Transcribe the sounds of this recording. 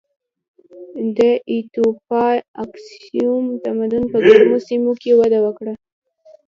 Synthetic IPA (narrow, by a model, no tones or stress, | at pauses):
d̪əʔit̪opɑaksiumt̪amad̪ʊnpəɡaɾnosimokewad̪awəkɽa